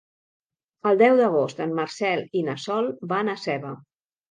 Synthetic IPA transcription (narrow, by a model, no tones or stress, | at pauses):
əlˠd̪ɛwðəɣ̞ost̪əmmərsɛlinəsɔlˠbanəsɛβə